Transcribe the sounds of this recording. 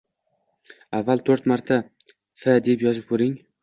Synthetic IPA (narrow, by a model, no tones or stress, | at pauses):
avːalt̪ʰɵɾt̪maɾt̪ʰa | fad̪epjɒzɪp̚kʰɵɾɪŋ